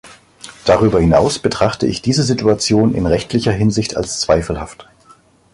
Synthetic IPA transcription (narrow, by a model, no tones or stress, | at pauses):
d̥aʁyːbɐhɪnaʊsb̥ətʁ̥aχtəɪ̰çd̥iːzəzituat͡sjoːnɪ̰nʁɛçtʰlɪçɐɦɪnzɪçta̰lst͡sv̥aɪfl̩haft